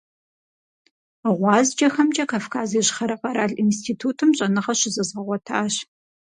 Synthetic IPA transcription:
ʁʷɑːzd͡ʒɐxɐmd͡ʒʼɐkʰaːfkʰaːziːɕχɐɾɐqɐɾaːɮinstʰiːtʰuːtʰɨmɕʼɐnɨʁɐɕɪzɐzʁɐʁʷɔtʰaːɕ

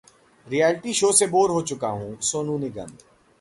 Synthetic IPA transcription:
ɾijɛːlʈiʃoːseboːɾɦot͡ʃʊkaɦũːsoːnũːnɪɡə̰̃n

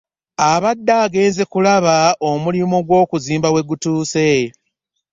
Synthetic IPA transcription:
aβadːaɡe̞ːnze̞kulaβaomulimoɡwo̞ːkuziːmbawe̞ɡutuːse̞

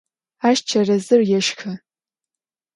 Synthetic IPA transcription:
aʃt͡ʃʰɐrɐzɨrjɛʃxʰɐ

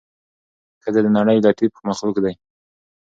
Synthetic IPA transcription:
kəd̪ad̪ənaɽəjd̪at̪ipə̥maxluɡd̪aj

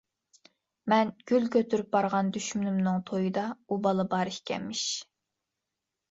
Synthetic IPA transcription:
mɛnɡ̥ʲylkʲʰøt̪ʰyɾyp̚bɑɾʁɑnd̪yʃmnymnɨŋt̪ʰojɨd̪ɑubɑlˠɨbɑɾihkʲɛ̰mːɪʃ

